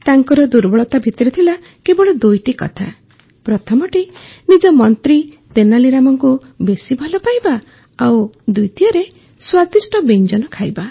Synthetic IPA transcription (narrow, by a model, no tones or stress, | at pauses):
t̪aŋkɔɾɔd̪uɾbɔɭɔt̪abʱit̪ɔɾit̪ʰila | kebɔɭɔd̪ujʈikɔ̰t̪ʰa | pɾɔt̪ʰɔmɔʈinid͡ʒɔmɔnt̪ɾi | t̪enaliɾamɔŋkubesibʱɔlɔpajba | awd̪ujʈiɔɾe | swat̪isʈɔbend͡ʒɔnɔkʰajba